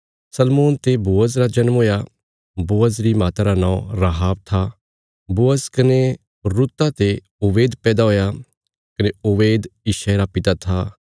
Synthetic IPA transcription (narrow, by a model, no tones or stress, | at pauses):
sɐlmoːnt̪eboːəzɾad͡ʒɐnmɦoːja | boːəzɾimaːt̪aɾanãːõɾaɦaːb̚t̪ʰa | boːəskɐne | ɾut̪ːat̪e | ʊbeːd̪pɛːd̪aɦoːja | kɐneʊʋeːd̪iʃaɾapɪt̪at̪ʰa